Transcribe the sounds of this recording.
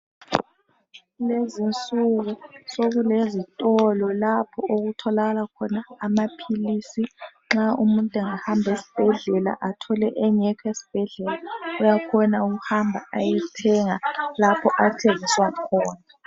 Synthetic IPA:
lezint͡sʼuɣusoɣulezitʼɔlɔlapʰɔʔoɣutʰɔlaɣalakʰɔnaːmapʰilisi | ŋ͡ǁaumuntʼɛŋahambʱesi̥b̥ʱɛɮɛla̰ʔatʰɔlɛ̰ʔɛɲɛkʰaesi̥b̥ʱɛɮɛlaɔjakʰɔnauɣuhambʱa̰ajitʰɛŋalapʰɔʔatʰeŋiswakʰɔːna

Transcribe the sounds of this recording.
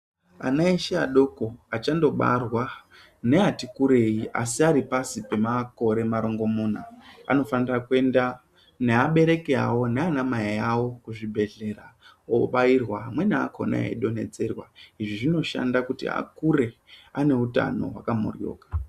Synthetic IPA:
a̰naeʃeaɗo̞ko̞at͡ʃando̞ɓa̰rwa | ne̞atikuɾe̞jiʔa̰siaɾipasipe̞mako̞ɾe̞maɾo̞ŋɡo̞monaa̰no̞fanirakue̞nda | ne̞aɓe̞ɾe̞keɦa̰wo̞neanamaiawo̞kuʐibʱe̞ɮe̞ɾa | oɓairwaɦamwe̞nea̰kʰo̰na̰ḛɗo̞ne̞t͡se̞rwaiʐiʐino̞ʃa̰ndakutḭa̰kuɾe̞ane̞uta̰no̞̰wa̰kamṵrjo̰ːkḁ

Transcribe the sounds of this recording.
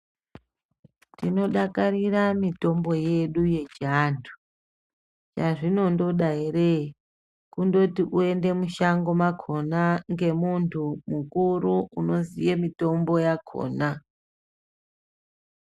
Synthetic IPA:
tino̞ɗakariramito̞mboje̞ɗuje̞d͡ʒantʰu̥ | t͡ʃaʐino̞ndo̞ɗairei | kundo̞tiʔue̞nde̞muʃaŋɡo̞makʰo̞naŋɡe̞muntʰumukuɾuuno̞zijemito̞mbo̞jakʰo̰na

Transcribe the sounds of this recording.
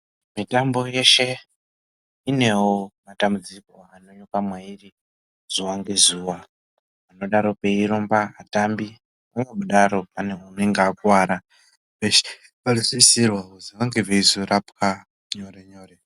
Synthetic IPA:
mitambo̞je̞ʃe̞ | ine̞womatambud͡ziko̞ano̞ɲokamwairi | z̥uwaŋɡezuwa | ano̞ɗaɾo̞pe̞iɾombaatambi | aŋɡeɓuɗaɾo̞paneuneŋɡaːkwaːɾa | eʃ | palisisirwaɦuzuwaŋɡeveizurapka | ɲoɾeɲoːɾe

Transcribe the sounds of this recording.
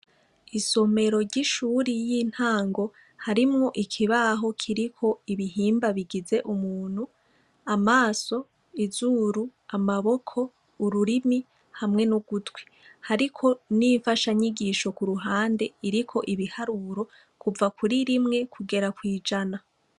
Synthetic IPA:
iso̞me̞ɾo̞ɾɟiʃuɾijin̥haːŋɡo̞ | haɾimŋo̞ʔikʰiβaɦo̞kʰiɾikʰo̞iβiɦiːmbaβiɡize̞ʔumuːn̥hu | amaːso̞ | izuːɾuamaβo̞kʰo̞ː | ɾuɾimi | hamŋe̞nuɡutwi̥ | haɾikʰo̞niɱfaʃaɲiɡiːʃo̞kuɾuɦaːnde̞iɾikʰo̞ʔiβihaɾuɾo̞ | kuvakuɾiɾimŋe̞kʰuɡe̞ɾakwiːd͡ʒana

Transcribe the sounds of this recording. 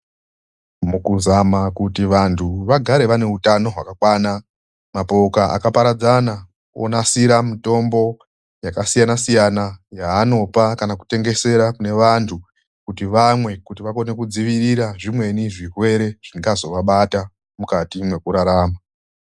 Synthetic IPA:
mukuzamakutiʋantʰuʋaɡʱaɾe̞ʋane̞utano̞ɦwakakwaːna | mapo̞kaʔa̰kapaɾad͡zana | o̰nasiɾamito̞mbo̞ | jakasijanasijanajaːno̞pakanaku̥te̞ŋɡe̞se̞ɾakune̞ʋantʰu | kutiʋamwe̞kutiʋako̞ne̞kud͡ziʋiriɾaʐimwe̞niʐirwe̞ɾe̞ʐ̥iŋɡazo̞ʋaɓata | mukatimwe̞kuɾaɾaːma

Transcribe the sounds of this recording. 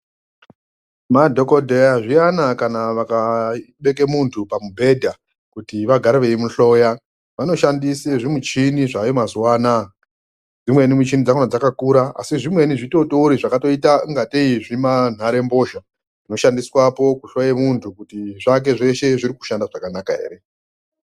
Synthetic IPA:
madʱo̞kodʱejaʐijanakanaʋakaɓe̞kemuntʰupamubʱe̞dʱa | kutiʋaɡʱaɾiʋe̞imuɬo̞ja | ʋano̞ʃandiseʐimut͡ʃiniʐajomazuwaːna | d͡zimwe̞nimut͡ʃinid͡zakonad͡zakakuɾaa̰siʐimwe̞niʐito̞touɾiʐakato̞itaŋɡateiʐiman̤aɾe̞mbo̞ːʃa | ʐ̥ino̞ʃandiswapo̞kuɬojemuntʰukutiʐak̬e̞ʐe̞ʃe̞ʐiɾiku̥ʃandaʐakanakae̞̰ɾe̞

